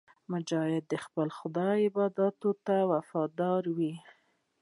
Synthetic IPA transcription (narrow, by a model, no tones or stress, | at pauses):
mʊd͡ʒɑhɪd̪ːəxpəlxʊd̪ɑɪbɑd̪ɑt̪ot̪awafɑd̪ɑɾwi